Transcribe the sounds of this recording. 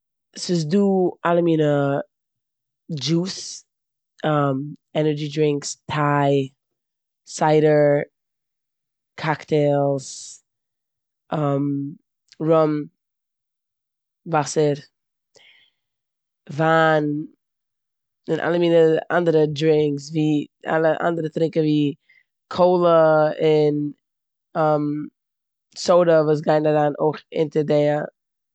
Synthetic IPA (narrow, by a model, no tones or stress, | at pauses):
sos̬duʔaləminə | d͡ʒus | ʔʌmɛnə˞d͡ʒidɹɪ̃ŋkstʰaɪ | saɪɾə˞ | kʰaktʰɛlˠz̥ | ʔʌm | ɹʌm | vasəɾ | vaːn | ɪnʔa̰lˠəmiːnəa̰ndəɾədɾɪŋksviːa̰lˠəʔa̰ndəɾətɾɪŋkəviː | kʰoʊlˠəɪn | əm | soʊɾəvuːs̬ɡaɪnaɾaːno̰ɪχɪ̰ntəɾdɛə